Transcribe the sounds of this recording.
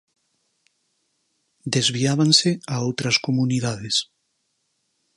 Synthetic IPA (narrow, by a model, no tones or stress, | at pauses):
d̪ezβiaβ̞anseaowt̪ɾaskomuniðaðes